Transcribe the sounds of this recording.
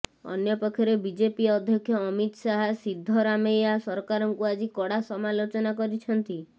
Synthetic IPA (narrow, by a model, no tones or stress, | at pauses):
ɔ̰njɔpɔkʰːjɔɾebid͡ʒepiɔd̪ʱjɔkʰːjɔːmit̪saɦasid̪ʱːɔɾamejasɔɾkaɾɔŋkuad͡ʒikɔɽasɔmalot͡ʃɔnakɔɾit͡ʃʰɔnt̪i